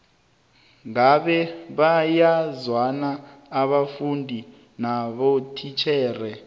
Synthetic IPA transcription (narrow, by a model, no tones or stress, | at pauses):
ŋaɓɛβajazwanaːβafundʱi | naβotʰit͡ʃʰɛːrɛ